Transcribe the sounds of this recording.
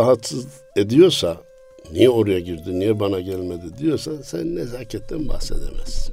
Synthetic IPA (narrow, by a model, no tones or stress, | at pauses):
aɦat̪sɯz | ed̪ijo̞ɾsa | nijɛo̞ɾujaɟiɾd̪inijɛbanaɟælʲmed̪id̪ijo̞ɾsasɛnnezaːcʰɛt̪ʰːɛnba̰hse̞̰d̪ḛmɛ̰z̥